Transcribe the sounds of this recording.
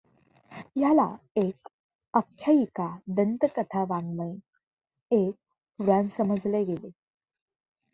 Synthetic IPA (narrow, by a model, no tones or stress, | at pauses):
jala̰ | ek | əkʰjaikad̪ənt̪əkət̪ʰaʋãŋɡə̃i | ek̚ | puɾansəməd͡zleɡele